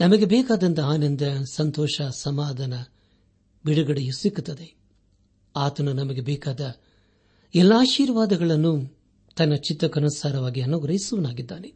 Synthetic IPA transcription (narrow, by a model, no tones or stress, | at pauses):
nɐmɐɡebɛːkaːd̪ɐnd̪ɐaːnɐnd̪ɐsɐnt̪ɔːʂɐsɐmaːd̪ʱɐnɐ | biɽuɡɐɽejusikːut̪ːɐd̪e | aːt̪ɐnunɐmɐɡe̞bɛːkaːd̪ɐ | ɛlːɐaːʃiːɾʋaːd̪ɐɡɐɭɐnːu | t̪ɐnːɐt͡ʃit̪ːɐkɐnɐsaːɾɐʋaːɡiɐnːoːɡɾɐjisɐʋɐnaːɡid̪ːaːne